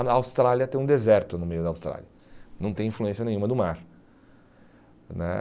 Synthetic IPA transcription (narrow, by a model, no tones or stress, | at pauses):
wst̪ɾaliɐt̪ẽd̪ezɛɾt̪ʊnʊmejʊd̪ɐawst̪ɾa̰liɐ | nɐ̃w̃t̪ẽj̃ĩfluẽsiɐnẽj̃umɐd̪ʊmaɾ | nɛ̰